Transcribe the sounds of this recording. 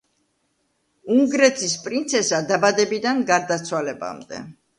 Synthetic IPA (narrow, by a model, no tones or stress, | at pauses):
uŋɡɾɛt̪ʰispʼɾint̪sʰɛsad̪abad̪ɛbid̪anɡaɾd̪at̪sʰwalɛba̰md̪ɛ̰